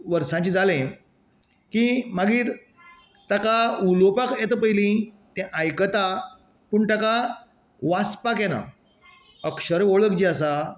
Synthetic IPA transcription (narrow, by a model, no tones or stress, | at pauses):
ʋəɾsãt͡ɕid͡zʱalẽ | kimaɡiːɾ | t̪akaulopakɛt̪əpəilĩ | t̪ɛ̃ʔajkət̪a | puːɳt̪aka | ʋaspakjɛna̰ | əkʂəɾeoɭəkd͡ʑiəsa